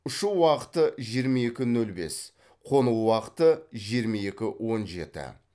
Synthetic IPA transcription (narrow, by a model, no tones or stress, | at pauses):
ʊʃuwɑqə̥t̪əʒijəɾmɑe̞kʲɪnɵlbe̞̰s | qʰo̞nuwwɑqə̥t̪əʒijəɾmɑe̞kʲɪwo̞nʒe̞̰t̪ɪ̰